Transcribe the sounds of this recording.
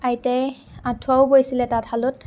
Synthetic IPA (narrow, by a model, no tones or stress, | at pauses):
ajtɛ | ãtʰuawbojsilɛtathalʊt